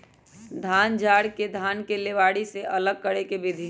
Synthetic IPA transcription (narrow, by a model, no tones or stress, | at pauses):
d̪ʱaːnd͡ʒʱaːɽked̪ʱaːnkeleʋaːɽiseʔələɡ̚kəɽekebed̪ʱi